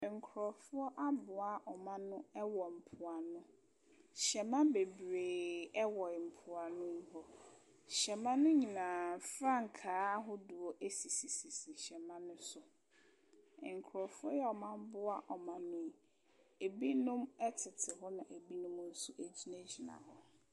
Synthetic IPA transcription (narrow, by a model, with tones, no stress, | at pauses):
ŋ̩˨kʰʊ˨ɾɔ˨fʊ˦ɔ˦ʔa˦bʊ˨a˦ʔɔ˨mã˦nʊ̃˦ɛ˦wɔ˨m̩˨pʰʊ˨a˨nʊ̃˦ | ɕɛ˨mã˦be˨bɾeː˨ɛ˦wɔ˨m̩˨pʰʊ˨a˨nʊ̃˦m˦ɦɔ˦ | ɕɛ˨mã˦nʊ̃˦ɲĩ˨nãː˨fɾã˦˨ŋ̩˨kʰaː˨˦ɦɔ˦du˨ɔ˦ʔe˦si˨si˨si˨si˨ɕɛ˨mã˦nʊ̃˦sʊ˨ | ŋ̩˨kʰʊ˨ɾɔ˨fʊ˦ɔ˦jɛ˦ɔ˨mã˦m̩˦bʊ˦a˦ʔɔ˨mã˨nʊ̃˦m˦ | e˨bi˦nʊ̃˦mɛ˦tʰɪ˨tʰɪ˨ɦɔ˦nã˨ʔe˨bi˦nʊ̃˦m˦n̩˦su˦ʔe˦d͡ʑi˦næ˦d͡ʑi˨nã̰˨ɦɔ˨